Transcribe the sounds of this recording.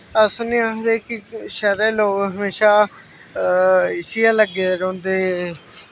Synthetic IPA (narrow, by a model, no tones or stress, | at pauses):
əsneːaːɦd̪eːkɪʃəɾẽːloːkɦəmeːʃaː | ɪsɪaːləɡeːɾõːnd̪eː